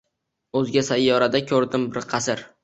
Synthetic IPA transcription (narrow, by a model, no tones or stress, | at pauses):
ɵzɡʲasajːɒɾad̪akʲʰɵɾd̪ɪmbɪɾqʰɑsɪɾ